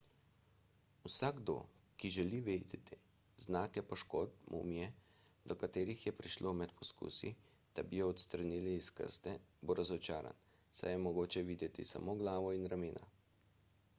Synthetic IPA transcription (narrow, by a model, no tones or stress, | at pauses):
usaːɡd̪o̰kiʒɛliʋeːd̪ɛt̪i | znaːkɛpɔʃkot̪̚mṵmjɛd̪̥ɔkat̪eːɾixjɛpɾiʃlʔomɛt̪pʰɔskṵːsḭ | d̪̥abijɔɔt̪st̪ɾaniliːskə̰ɾst̪ɛboɾazɔt͡ʃaːɾa̰n | sa̰jɛmɔɡoːt͡ʃɛʋiːd̪jɛt̪isa̰moːɡlaːʋɔinɾameːnʔa̰